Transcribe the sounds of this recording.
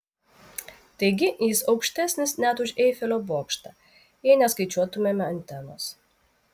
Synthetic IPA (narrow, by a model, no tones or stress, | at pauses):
t̪ɐɪɡʲɪjɪsɒʊkʃʲt̪ʲæsʲnʲɪsnʲæt̪ʊʃʲɛjfʲɪlʲoːbuɔkʃt̪ɐ | jɛɪnʲɛskɐɪt͡ʃʲuɔt̪ʊmʲemʲɛɐnʲt̪ʲɛno̰s